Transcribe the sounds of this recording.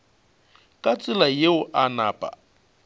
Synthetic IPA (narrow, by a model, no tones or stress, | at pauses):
kʼat͡sʼɪlajeʊʔanaːpʼa̰